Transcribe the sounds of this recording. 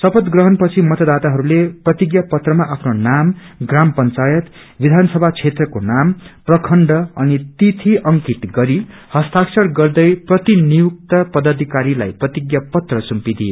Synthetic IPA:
sʌpʌt̪ɡrʌɦʌnpʌt͡sʰimʌt̪ʌd̪at̪aɦʌɾuleprʌt̪iɡjapʌt̪rʌmaʔapʰnonamɡrampʌnt͡sajʌt̪ | bid̪ʱansʌbʱat͡sʰet̪rʌkonamprʌkʰʌɳɖʌːnit̪it̪ʰiʔʌŋkiʈɡʌɾi | hʌst̪aksʌɽɡʌrd̪ʌjprʌt̪inijuk̚t̪ʌpʌd̪ʌd̪ʱikaɾila̰jprʌt̪iɡjapʌt̪rʌsumpid̪ie

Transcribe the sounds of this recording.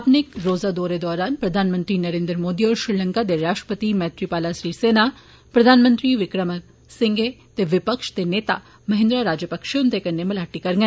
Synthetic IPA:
ɐpnekɾoːzad̪ɔːɾed̪ɔːɾaːnpɾɐd̪ʱaːnmə̃nt̪ɾinɐɾẽːnd̪ɾmoːd̪iɔːɾʃɾɪlə̃ŋkad̪eɾaːʃʈɾə̥pət̪imɛːt̪ɾipaːlasɾiːseːna | pɾɐd̪ʱaːnmə̃nt̪ɾiʋɪkɾəmə | sɪ̃ŋɡet̪eʋɪpəkʃt̪eneːt̪a̰ | mɐɦɪ̃nd̪ɾaɾaːd͡ʒjəpəkʃont̪ekɐnːemɐlaːʈikɐɾɡɛ̃

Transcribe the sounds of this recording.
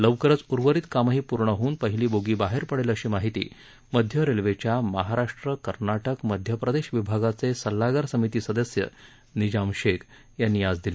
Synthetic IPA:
ləʋkəɾət͡suɾʋəɾiːt̪kamaɦiːpuɾɳəɦuːnpəɦiliːboɡiːbaɦeɾpəɽeləɕiːmaɦit̪ḭː | məd̪ʱjəɾelʋet͡ɕjaməɦaɾaʂʈɾəkəɾnaʈəkməd̪ʱjəpɾəd̪eɕʋibʱaɡat͡sesəlːaɡəɾsəmit̪iːsəd̪əsjə̰ | nid͡ʑamɕek | janːiːad͡zd̪ili

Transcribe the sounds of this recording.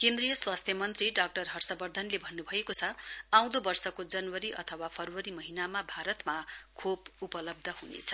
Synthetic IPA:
kend̪rijʌswast̪ʰjʌmʌnt̪riɖak̚ʈʌrɦʌrsʌbʌrd̪ʱʌnlebʱʌnːubʱʌekot͡sʰʌãw̃d̪obʌrsʌkod͡zʌnwʌɾiʔʌt̪ʰʌwapʰʌrwʌɾimʌɦinamabʱaɾʌt̪makʰobupʌlʌb̚d̪ʱʌɦunḛt͡sʰʌ̥

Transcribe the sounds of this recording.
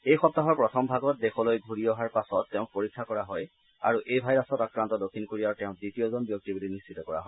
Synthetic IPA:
ejxɔp̚taɦɔɹpɹɔtʰɔmbʱaɡɔt̚dexɔlojɡʱuɹiɔɦaɹpasɔtːɛʊ̃k̚poɹikʰːakɔɹaɦɔj | a̰ɹuʔejbʱajɹasɔtakɹantɔdokʰːinkoɹiaɹtɛʊ̃ditijozɔnbijok̚tibulinistʰitɔkɔɹa̰ɦɔ

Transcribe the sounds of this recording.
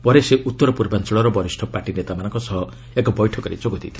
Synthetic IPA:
pɔɾeseʔut̪ːɔɾɔpuɾbant͡ʃɔɭɔɾɔbʌɾisʈʰɔpaɾʈinet̪amanɔŋkɔsʌɦʌ | ekɔbɔjʈʰɔkɔɾḭt͡ʃokod̪ʰʱḭt̪ʰi̥

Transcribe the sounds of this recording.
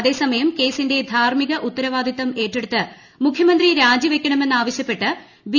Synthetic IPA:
ɐðe̞ːsɐmɐjɐmke̞ːsinde̞d̪ʱaːɾmiɣɐʔut̪ːɐɾɐʋaːd̪ʱit̪ːɐme̞ːʈːeɽut̪ːɨ | mukʰjɐmɐnd̪riɾaːd͡ʑiʋe̞kʲːɐɳɐme̞nːaːʋɐɕjɐpːe̞ʈːɨ | b

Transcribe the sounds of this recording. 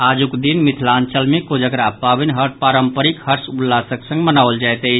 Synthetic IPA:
ad͡ʒukd̪inmit̪ʰlant͡ʃəlmekod͡ʒəɡɾapabinɦəʈ̚paɾəmpəɾikhəɾsulːasəksə̃ŋɡmənawəld͡ʒajt̪ə

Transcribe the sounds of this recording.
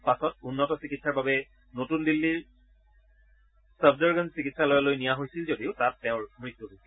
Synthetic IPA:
pasɔtunːɔtɔsikitsaɹbabɛ | notundilːiɹ | səbzɔɹɡənsikitsalɔjalojnijaɦojsilzodiʊtatːɛʊ̃ɹmɹit̪ːuɦojsi

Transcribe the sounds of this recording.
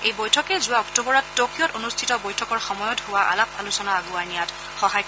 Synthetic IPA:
ejbojtʰɔkɛzʊwaɔktobɔɹɔtːokʰiɔtonustʰitɔbojtʰɔkɔɹxɔmɔjɔtɦʊwaʔa̰lap̚alusɔnaːɡʊaɹnijat | xɔɦaj

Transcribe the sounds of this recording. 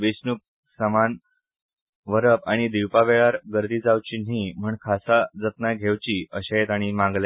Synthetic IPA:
ʋesnuk̚ | səman | ʋəɾəpaɽ̃id̪iwpaʋeɭaɾɡəɾd̪iːd͡zawt͡ɕiːnɦiːm̤əːɳkʰasad͡zət̪najɡʱeʋt͡ɕiːəɕaet̪aɽ̃imãŋɡle

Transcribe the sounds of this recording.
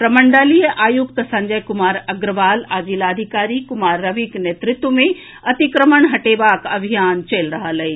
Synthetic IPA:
pɾɐməɳɖalijəʔaːjukt̪sɐ̃ɲd͡ʒəjkʊmaːɾɐɡɾəʋaːlaːd͡ʒiːlaːd̪ʱikaːɾikʊmaːɾːɐʋiknet̪ɾɪt̪ʋəmẽ | ɐt̪ikɾəməɳɦɐʈeːʋaːkɐbʱijaːnt͡ʃelɾɐɦələiː

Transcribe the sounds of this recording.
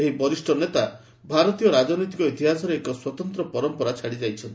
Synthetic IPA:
eɦibɔɾisʈʰɔnet̪a | bʱaɾɔt̪ijɔɾad͡ʒɔnɔjt̪ikɔit̪iɦasɔɾeekɔswɔt̪ɔnt̪ɾɔpɔɾɔmpɔɾat͡ʃʰaɽid͡ʒajt͡ʃʰɔnt̪i

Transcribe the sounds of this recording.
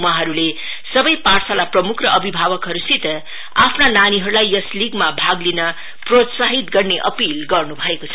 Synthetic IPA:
waɦʌɾule | sʌbʌjparsalaprʌmukʰrʌʔʌbʱibʱabʌkɦʌɾusit̪ʌ | apʰnananiɦʌɾulajjʌsliɡmabʱaɡlinʌ | prot̪saɦit̪ɡʌrneʔʌ̰pilɡʌrnubʱʌekot͡sʰʌ

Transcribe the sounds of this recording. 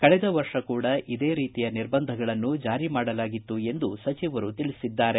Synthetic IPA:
kɐɭɛd̪ɐʋɐɾʂɐkuːɽɐʔid̪e̞ːɾiːt̪ijɐniɾbɐnd̪ʱɐɡɐɭɐnːud͡ʒaːɾimaːɽɐlaːɡit̪ːue̞nd̪usɐt͡ʃiʋɐɾut̪iɭisid̪ːaːɾe̞

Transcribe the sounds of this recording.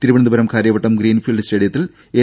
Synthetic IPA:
t̪iɾuʋɐɳnd̪ubɐɾɐmkʰaːɾjɐbɐʈːɐmɡɾiːnfiːlɖɨsʈeːɽijɐt̪ːil | eː

